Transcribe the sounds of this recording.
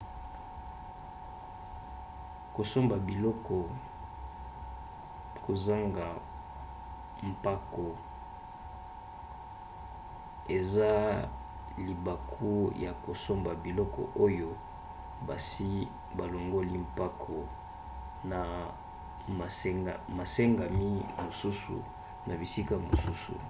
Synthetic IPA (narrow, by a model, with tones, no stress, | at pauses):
ko˨so˦mba˨bi˨lɔ˦kɔ˨ | ko˨za˦ŋɡa˨ | m̩˨pa˦ko˨ | e˨za˦ | li˨ba˨kʰu˦ja˨ko˨so˦mba˨bi˨lɔ˦kɔ̰˨ʔo˦jo˦ | ba̰˨si˦ | ba˨lo˨ŋɡo˦li˦m̩pa˦kʰo˨ | na˨˦˨ | ma˨se˦ŋɡa˨mi˦mo˨su˦sṵ˨ | nʔa˨bi˨si˦ka˦mo˨su˦sṵ˨